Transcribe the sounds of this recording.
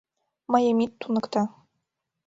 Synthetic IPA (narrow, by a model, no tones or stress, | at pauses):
mɑjɤmʲit̪ːunɤ̆kt̪ɑ